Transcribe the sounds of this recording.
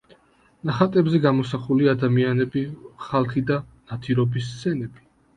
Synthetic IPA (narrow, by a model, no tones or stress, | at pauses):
naχat̪ʼɛbzɛɡamɔsaχuliad̪amianɛbiχalˠχid̪anat̪ʰiɾɔbis̬t̪sʰɛnɛbi